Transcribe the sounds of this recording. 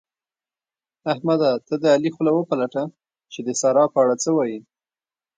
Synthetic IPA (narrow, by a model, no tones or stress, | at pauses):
ahmad̪at̪əd̪əalixlawəpalaʈa | t͡ʃed̪əsɑɾɑpəaɽat͡səwɑji